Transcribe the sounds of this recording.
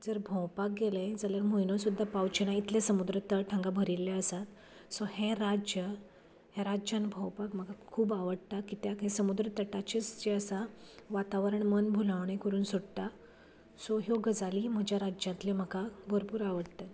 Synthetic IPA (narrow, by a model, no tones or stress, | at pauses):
d͡zəɾbʱə̃wpak̚ɡeləjd͡zaljaɾmoinosud̪ʱːapawt͡ɕenait̪lesəmud̪ɾət̪əʈʰãŋɡabʱəɾilːeəsat̪ | soheɾad͡ʑjə | heɾad͡ʑjanbʱə̃wpakm̤əɡakʰuːbaʋəɽt̪akit̪jaɦẽsəmud̪ɾət̪əʈat͡ɕest͡ɕeəsaʋat̪aʋəɾəɳmənbʱulaʋɳekəɾuːnsoɽt̪a | sɔɦjoɡəd͡zaliːm̤əd͡ʑjaɾad͡ʑjãt̪lem̤əɡabʱəɾpuːɾaʋəɽt̪ə